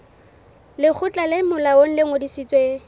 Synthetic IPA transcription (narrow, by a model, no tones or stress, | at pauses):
lɪk͡xʰʊt͡ɬʼalemʊlaon̩leŋodisit͡sʼwe